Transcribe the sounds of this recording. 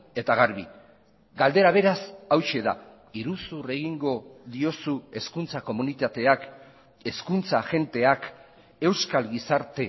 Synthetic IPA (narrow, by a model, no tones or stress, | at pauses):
e̞t̪aɣaɾβ̞i | ɡald̪e̞ɾaβ̞e̞ɾasawʃe̞ða̰ | iɾusure̞ɣiŋɡo̞ðio̞sue̞skunt͡sako̞munit̪at̪e̞ak | e̞skunt͡saʝe̞nt̪e̞ak | e̞wskalɣisaɾt̪e̞